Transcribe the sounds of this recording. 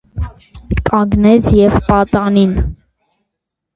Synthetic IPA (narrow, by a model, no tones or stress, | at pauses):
kʰʼɑɡnɛt͡sʰjɛvpɑt̪ɑnin